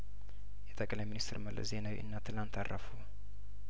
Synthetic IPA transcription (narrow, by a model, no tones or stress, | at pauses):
jɛt̪ʰʼəkʼlajminist̪ɨɾməlːə̰ze̞nawḭʔɨ̰nːat̪ʰɨlant̪ʰarːə̰fu